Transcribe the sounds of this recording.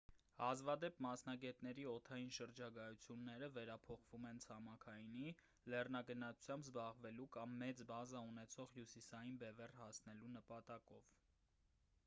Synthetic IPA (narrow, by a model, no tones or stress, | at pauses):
hɑzvɑd̪ɛpmɑsn̪ɑɡɛt̪nɛɾiɔt̪ʰɑjinʃəɾd͡ʒɑɡɑjut͡sʰjunːɛɾəvɛɾɑpʰɔχvumɛnt͡sʰɑmɑkʰɑjni | lɛrnɑɡənɑt͡sʰu̥t͡sʰjɑmbzbɑʁvɛlukɑmːɛt͡sbɑzɑunɛt͡sʰɔʁhjusisɑjinbɛvɛrhɑsnɛlunəpɑt̪ɑkɔv